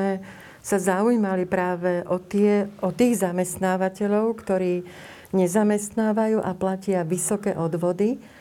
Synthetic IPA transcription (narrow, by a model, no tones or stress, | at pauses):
ɛ | sazaujimalipɾaːʋɛʔɔt̪ɪɛʔɔt̪iːɣzamɛst̪naːʋacɛʎɔʊkt̪ɔɾiː | ɲɛzamɛst̪naːʋajuːʔaplacɪaʋisɔkɛ̰ːʔɔd̪ʋɔd̪i